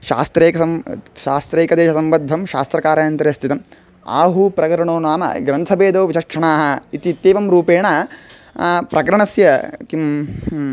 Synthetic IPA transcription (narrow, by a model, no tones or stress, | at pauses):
ʃa̰ːst̪ɾeːkɐsɐmʃaːst̪ɾeːkɐd̪eːʃɐsɐmbɐd̪ʱːɐmʃa̰ːst̪ɾɐkaːɾajɐnt̪ɐɾɐst̪ʰit̪ɐm | a̰ːɦupɾɐkɐɾɐɳoːnaːmɐ̰ɡɾɐnt̪ʰɐbeːd̪oːʋiʃɐkʂɐɳaːɦɐit̪it̪ːeːʋɐmɾuːpeːɳɐ | pɾɐkɐɾɐɳɐsjɐkim